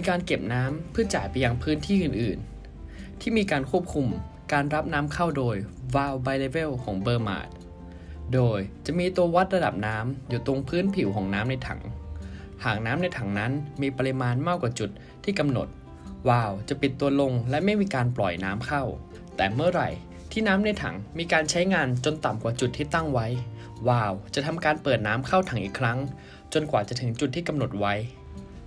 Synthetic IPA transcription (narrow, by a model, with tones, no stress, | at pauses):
miː˧kaː˧nke˨˩p̚naː˦˥mpʰɯ˥ɐt͡ɕaː˩˦jpa˧jːa˧ŋpʰɯː˦˥nt̪ʰiː˥˩˨ʔɯː˨˩nʔɯː˨˩n | t̪ʰiː˥˩miː˧kaː˧nkʰu˥˩əp̚kʰu˧m | kaː˧nɾa˦˥p̚naː˦˥mkʰa˥˩wdoː˧jwaː˧wbaː˧jle˧be˥˩wkʰɔː˩˦ŋbɤː˧ma̰ː˨˩t̪̚ | doː˧jt͡ɕa˨˩ʔmiː˧t̪u˧ɐwa˦˥t̪̚ɾa˧da̰˨˩p̚naː˦˥mjuː˨˩t̪o˧ŋpʰɯː˦˥npʰi˨˩˦wkʰɔː˩˦ŋnaː˦˥mna˧jt̪ʰa̰˩˦ŋ | haː˨˩ŋ̚naː˦˥mna˧jt̪ʰa˩˦ŋna˦˥nmiː˧pə˧ɾi˧maː˧nmaː˥˩k̚waː˨˩t͡ɕu˨˩t̪̚ʰːiː˥˩ka˧mno̰˨˩t̪̚ | waː˧˩wt͡ɕa˨˩pi˨˩t̪ːu˧ɐlo˧ŋlɛ˦˥ma˥˩jmiː˧kaː˧nplɔ̰˨˩jnaː˦˥mkʰa˥˩w | t̪ɛː˨˩mɯ˥˩ɐɾa̰˨˩j | t̪ʰiː˥˩naː˦˥mna˧jt̪ʰa̰˩˦ŋmiː˧kaː˧nt͡ɕʰa˦˥jŋaː˧nt͡ɕo˧nt̪a˨˩mkwaː˨˩t͡ɕu˨˩t̪ʰːiː˥˩t̪a˥˩ŋwa˦˥j | waː˧˩wt͡ɕa˨˩t̪ʰa˧mkaː˧npɤː˨˩t̪̚naː˦˥mkʰa˥˩wt̪ʰa˩˦ŋʔiː˨˩kʰɾa˦˥ŋ | t͡ɕo˧nkwaː˨˩t͡ɕa˨˩t̪ʰɯ˩˦ŋt͡ɕu˨˩t̪ʰːiː˥˩ka˧mno˨˩t̪̚wa˦˥j